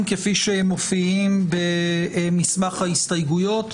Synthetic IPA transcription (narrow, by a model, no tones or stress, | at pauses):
mkefiʃehemːofiimbemismaχhaist̪ajɡujo̞t̪